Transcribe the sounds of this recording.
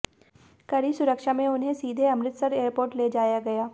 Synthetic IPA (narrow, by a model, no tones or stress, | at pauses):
kɐɾisʊɾəkʃamẽʊnɦẽsiːd̪ʱeɐmɾɪt̪sɐɾeːɾpoːɾʈleːd͡ʒaːjaɡɐjaː